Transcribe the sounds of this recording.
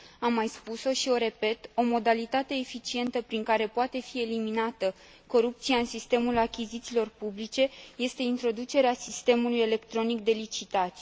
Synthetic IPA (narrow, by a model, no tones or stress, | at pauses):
amːajspuso̞ʃio̞ɾe̞pe̞t̪o̞mo̞d̪alit̪at̪e̞ːfit͡ʃie̞nt̪əpɾiŋkaɾe̞poat̪e̞fie̞liminat̪ə | ko̞ɾup̚t̪sijaɨnsist̪e̞mulakʲizit̪silo̞rpublit͡ʃe̞je̞st̪e̞int̪ɾo̞d̪ut͡ʃe̞ɾeasist̪e̞muluje̞le̞kt̪ɾo̞nik̚d̪e̞lit͡ʃit̪at̪sʲ